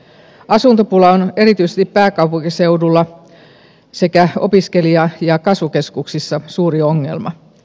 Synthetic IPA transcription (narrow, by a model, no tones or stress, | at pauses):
ɑsunt̪opulɑone̞ɾit̪yisest̪ippæːkɑupuŋkise̞udulːɑ | se̞kæo̰piske̞liɑjɑkɑsʋuke̞skuksisːɑsuːrioŋːe̞̰lmɑ̰